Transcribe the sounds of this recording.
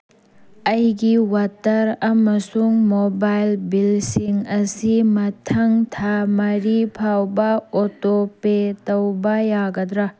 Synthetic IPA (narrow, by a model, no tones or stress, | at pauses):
ɐjɡiwatɐɾɐmɐsuŋmobajlbilsiŋɐsimɐtʰɐŋtʰamɐɾipʰawbɐotopetɐwbɐjaɡɐdɾɐ